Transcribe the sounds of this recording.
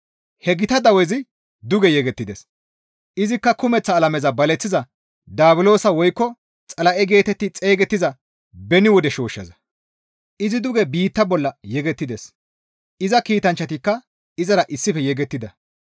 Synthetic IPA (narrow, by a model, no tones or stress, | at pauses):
hɛɡɪt̪ɐd̪ɐwɛzɪ | d̪ʊɡɛjɛɡɛt̪ːɪd̪ɛs | ʔɪzɪkːɐkʊmɛt͡sːɐːlɐmɛzɐbɐlɛt͡sːɪzɐ | d̪aːbɪlo̞ːsɐwɔjkːɔ | t͡sʼɐlɐʔɛɡe̞ːt̪ɛt̪ːɪt͡sʼe̞ːɡɛt̪ːɪzɐ | bɛnɪwɔd̪ɛʃo̞ːʃːɐ̰zɐ | ɪzɪd̪ʊɡɛbiːt̪ːɐbɔlːɐjɛɡɛt̪ːɪd̪ɛs | ɪzɐkiːt̪ɐnt͡ʃːɐt̪ɪkːɐ | ɪzɐɾɐʔɪsːɪfɛjɛɡɛt̪ːɪd̪ɐ